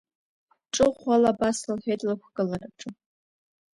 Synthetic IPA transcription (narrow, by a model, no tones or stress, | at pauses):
ʈ͡ʂʼɨʁʷalabasɨlħetʼlakʷʰkʼɨlaraʈ͡ʂʼɨ